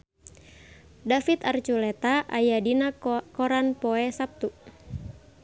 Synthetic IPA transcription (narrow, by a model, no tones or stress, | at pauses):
dafit̪art͡ʃulɛt̪aʔajadinakɔɾanpɔɛsap̚t̪u